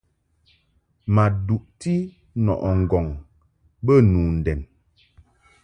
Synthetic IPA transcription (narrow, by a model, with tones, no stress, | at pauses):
ma˨du˨ʔti˦ | nɔ̰˨ʔɔ˨ŋ̩˨ɡɔ˨ŋ | bə˦nu˨n̩˨dɛ˨n